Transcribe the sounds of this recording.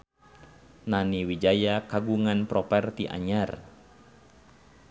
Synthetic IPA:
naniwid͡ʒajakaɡuŋanpɾɔpɛrt̪iʔa̰ɲar

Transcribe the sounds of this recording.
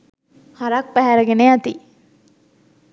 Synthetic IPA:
hɐɾɐk̚pæɦæɾəɡeneɐt̪i

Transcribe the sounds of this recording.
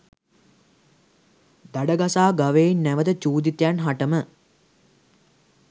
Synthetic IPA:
d̪aɖəɡasaːɡaʋeːnːæʋət̪ət͡ʃuːd̪it̪janɦaʈəmə

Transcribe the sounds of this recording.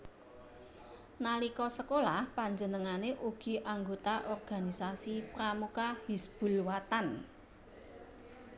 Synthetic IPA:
nalikɔsəkolahpaɲd͡ʒənəŋaneʔuɡ̥i̤ʔaŋɡot̪aʔɔrɡ̥a̤nisasipɾamukahisb̥ṳlwat̪an

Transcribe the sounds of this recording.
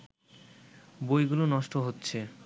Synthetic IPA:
bojɡulonɔʃʈoɦotːɕʰe

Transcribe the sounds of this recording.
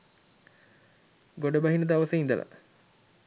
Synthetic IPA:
ɡoɖəbɐɦinəd̪aʋəsəind̪əlʔa̰

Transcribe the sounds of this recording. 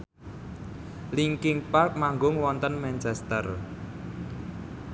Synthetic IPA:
liŋkɪŋpark̚maŋɡʊŋwɔnt̪ənmɛnt͡ʃɛst̪ə̰r

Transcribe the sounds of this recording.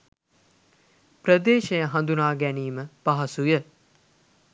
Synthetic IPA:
prəd̪eːʃejəɦand̪unaːɡæniːməpaɦɐsujə

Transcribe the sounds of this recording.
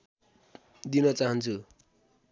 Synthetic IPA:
d̪inʌt͡saɦʌnt͡sʰu

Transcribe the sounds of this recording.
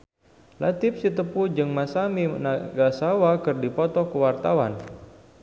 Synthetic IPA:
lat̪ɪp̚sit̪əpud͡ʒɨŋmasaminaɡasawakɨrdipɔt̪ɔkəwart̪awan

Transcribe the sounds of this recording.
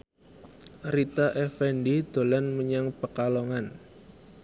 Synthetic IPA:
rit̪aʔɛfɛnɖid̪̥o̤lanməɲaŋpəkalɔŋan

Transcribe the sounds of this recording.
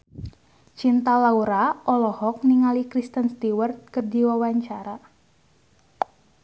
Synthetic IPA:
t͡ʃint̪alauɾaʔɔlɔhɔk̚niŋalikɾist̪ənst̪iwərt̪̚kərdiwawaɲt͡ʃaɾa

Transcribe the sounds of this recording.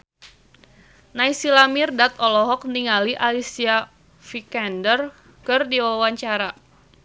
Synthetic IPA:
naisilamirdat̪ɔlɔɦɔk̚niŋaliʔalisia | fikɛndər | kɨrdiwawaɲt͡ʃaɾa

